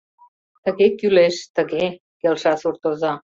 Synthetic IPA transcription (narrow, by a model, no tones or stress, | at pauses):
t̪əɣekyleʃt̪ə̆ɣe | kelʃɑsurt̪ozɑ